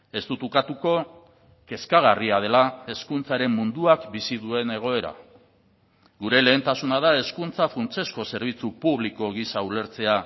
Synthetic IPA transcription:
e̞st̪ut̪ukat̪uko̞ | ke̞skaɣ̞ariað̞e̞lae̞skunt͡saɾe̞mːund̪uakbisiðue̞ne̞ɣ̞o̞e̞ɾa̰ | ɣuɾe̞le̞ːnt̪asunað̞ae̞skunt͡safunt͡se̞sko̞se̞ɾβ̞it͡supuβliko̞ɣisaule̞ɾt͡se̞a

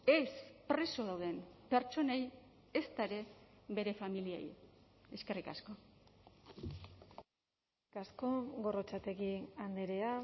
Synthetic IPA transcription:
e̞spɾe̞soðawðe̞mpe̞ɾt͡ʃo̞nej | est̪aeɾe̞be̞ɾe̞familiḛj | e̞ske̞rika̰sko̞ | kasko̞ɣo̞rot͡sat̪ekiand̪eɾea

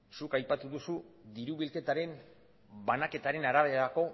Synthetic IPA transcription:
sukajpat̪uðusuðiɾuβilke̞t̪aɾe̞n | banake̞t̪aɾe̞naɾaβ̞e̞ɾako̞

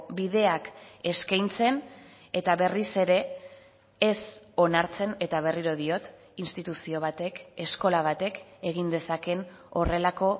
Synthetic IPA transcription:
biðe̞ake̞skajnt͡se̞n | e̞t̪aβe̞rise̞ɾe̞ | eso̞naɾt͡se̞ne̞t̪aβ̞e̞riɾo̞ðio̞t̪ | inst̪it̪usio̞β̞at̪e̞ke̞sko̞laβ̞at̪e̞ke̞ɣ̞ind̪e̞sake̞n | o̞re̞lako̞

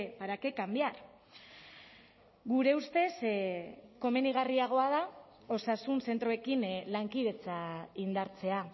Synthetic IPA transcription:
paɾake̞kambiaɾ | ɣuɾe̞ust̪e̞s | ko̞me̞niɣ̞ariaɣ̞o̞að̞a | o̞sasunse̞nt̪ɾoe̞kinlaŋkið̞e̞t͡saind̪aɾt͡se̞a

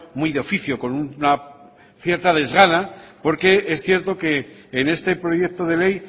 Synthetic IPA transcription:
mwuijðeo̞fiθjoko̞nunna | θje̞ɾt̪að̞e̞zɣanapo̞ɾke̞esθje̞ɾt̪o̞ke̞ːne̞st̪e̞pɾo̞jek̚t̪oðe̞le̞j

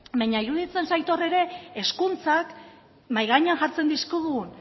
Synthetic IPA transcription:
bajɲaiɾuð̞it͡se̞nsajt̪o̞re̞ɾe̞ːskunt͡sak | majɣaɲanʝaɾt͡se̞nd̪iskoðuɣun

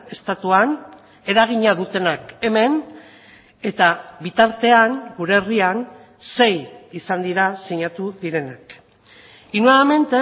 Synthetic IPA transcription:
e̞st̪at̪uan | e̞ɾaɣ̞iɲaðut̪e̞nake̞me̞n | e̞t̪aβit̪aɾt̪e̞aŋɡuɾe̞rian | se̞jisand̪iɾasiɲat̪uðiɾe̞nak | inoame̞nt̪e

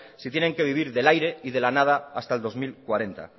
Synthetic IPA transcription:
sit̪je̞ne̞ŋke̞β̞iβ̞iɾðe̞lajɾe̞iðe̞lanað̞aast̪aeld̪o̞zmilkwaɾe̞nt̪a̰

